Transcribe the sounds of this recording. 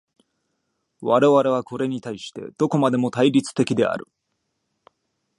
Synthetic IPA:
βaɾe̞βaɾe̞β̞ako̞ɾe̞ɲ̟it̪aiɕi̥t̪e̞̰d̪̥o̞ko̞mad̪e̞mo̞t̪aiɾʲit͡sɨ̥t̪e̞kʲid̪e̞a̰ɾɯ̟̰

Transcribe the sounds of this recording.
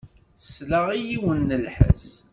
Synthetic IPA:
sləʁijiwənːəlħə̰s

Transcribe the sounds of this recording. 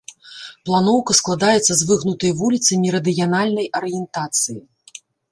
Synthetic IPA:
plˠan̪ɔwkɐsklˠad̪ajɛt̪sːɐzvɨɣnut̪ɐjvulʲit̪sɐmʲiɾɐd̪ɨjanalʲnɐjʔɐɾɨjɛnt̪at̪sɨji

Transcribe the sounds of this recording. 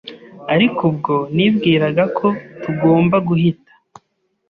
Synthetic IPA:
aɾikʰubɡo̞nibɡiːɾaɡakʰo̞tuɡo̞ːmbaɡuhitḁ

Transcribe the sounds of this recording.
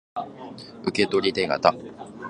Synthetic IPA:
ɯ̟ke̞t̪o̞ɾʲit̪eŋa̰t̪a

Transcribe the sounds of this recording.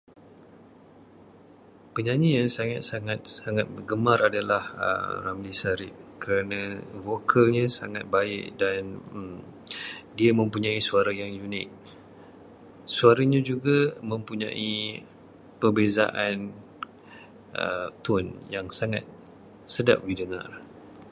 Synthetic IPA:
pəɲãɲiɲasaŋat̪̚saŋat̪̚saŋat̪̚bəɡəmaɾadalahə̰ramlisaɾɪʔ̚kəɾanãvokʰalɲasaŋat̪̚baɪ̰ʔdan | diamə̃mpuɲãisuaɾajaŋjunɪ̰k̚ | suaɾaɲad͡ʒuɡamə̃mpuɲã̰ʔi | pərbeza̰ʔan | ʔə̰t̪ʊnjaŋsaŋa̰t̪̚ | səda̰p̚bidəŋa̰r

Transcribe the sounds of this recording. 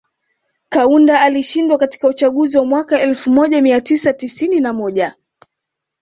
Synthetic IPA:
kaundaaliʃindwakati̥kaut͡ʃaɠuziwamwakaɛlfumɔʄamiatisatisininamɔʄa

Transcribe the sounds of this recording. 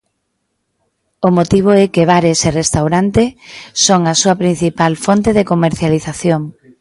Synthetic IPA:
omot̪iβ̞oɛkeβaɾeserest̪awɾant̪esoŋasuɐpɾin̟θipalfont̪eðekomeɾθjaliθaθjoŋ

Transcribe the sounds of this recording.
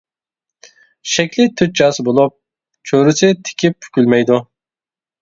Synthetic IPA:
ʃɛkʲlɪt̪ʰyt̪̚d͡ʒɑːsɨbolˠup̚ | t͡ʃʰøɾysɪt̪ʰɪ̥kʲʰip̚pʰy̥kʲylmɛjd̪u

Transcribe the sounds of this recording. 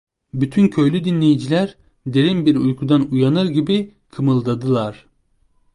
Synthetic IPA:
byt̪ʰyncʰø̞jlʲyd̪inlʲejid͡ʒilʲæɾ | d̪e̞ɾinbiɾujkʰud̪anujanɯɾɟibi | kʰɯmɯlˠd̪ad̪ɯlˠaɾ̥

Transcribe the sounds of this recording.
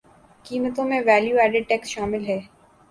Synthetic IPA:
kiːmət̪õmẽʋɛːljuːɛːɖɪɖ̚ʈɛːksʃaːmɪlɦɛː

